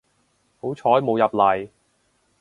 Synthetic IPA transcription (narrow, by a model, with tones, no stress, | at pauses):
ho˨˥wt͡ʃʰɔː˨˥jmo˨˧wjɐ˨p̚lɐ˨˩j